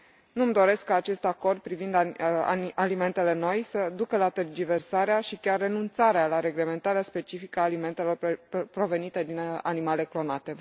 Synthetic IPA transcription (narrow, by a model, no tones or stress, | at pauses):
numd̪o̞ɾe̞skːaːt͡ʃe̞st̪ako̞rd̪̚pɾivind̪a̰alime̞nt̪e̞le̞no̞jsəd̪ukəlat̪erd͡ʒive̞rsaɾeaʃikʲarːe̞nunt̪saɾealaɾe̞ɡle̞me̞nt̪aɾeaspe̞t͡ʃifikəaːlime̞nt̪e̞lo̞rpɾo̞ve̞nit̪e̞d̪ina̰nimale̞klo̞nat̪e̞